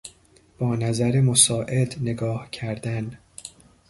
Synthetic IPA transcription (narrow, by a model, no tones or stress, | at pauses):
b̥ɒːnæzæɾemosɒːʔe̞d̪ne̞ɡɒːhcʰæɾd̪æn